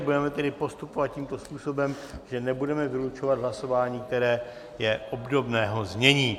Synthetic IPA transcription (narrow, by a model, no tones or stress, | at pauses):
budɛmɛt̪ɛdɪpo̞st̪upovat̪̚ciːmt̪o̞spuːso̞bɛm | ʒɛnɛbudɛmɛvɪlut͡ʃo̞vad̪ɦlaso̞vaːɲiːk̚t̪ɛɾɛː | jɛʔobdo̞bnɛːɦo̞zɲɛɲiː